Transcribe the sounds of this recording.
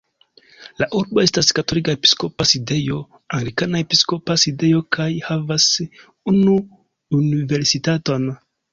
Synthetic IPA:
laʔuɾboe̞staskato̞likaepi̥sko̞paside̞jo̞ | aŋeɾikanaepisko̞paside̞jo̞kʰajhavas | unuː | nive̞ɾsitato̞n

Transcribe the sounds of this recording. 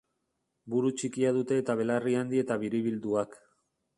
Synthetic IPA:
buɾut͡ʃikiaðut̪e̞ːt̪aβ̞e̞lariand̪ie̞t̪aβiɾiβild̪uak

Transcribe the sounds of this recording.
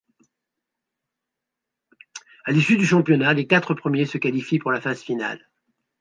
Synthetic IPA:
alisyd̪yʃɑ̃pjɔnalekat̪χəpχəmjesəkalifipuʁlafaz̥fina̰l

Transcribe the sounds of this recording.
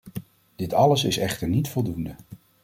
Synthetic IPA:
d̥ɪtɑləsɪsɛχtəɹnitfɔlˠdundə

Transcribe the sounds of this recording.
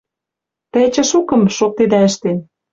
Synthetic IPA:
t̪̆t͡ɕə̆ʃukə̆mʃok̚t̪ed̪æəʃt̪en

